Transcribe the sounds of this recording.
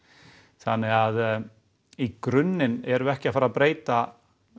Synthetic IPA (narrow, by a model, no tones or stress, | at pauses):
θa̰nːɛɣað | ikɾʏnːɪnɛɾʏɛhcɪafaːɾapɾeːjt̪a